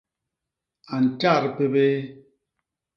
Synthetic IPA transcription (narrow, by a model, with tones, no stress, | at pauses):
a˨n̩˨t͡ʃa˦˨ɾpe˦be˦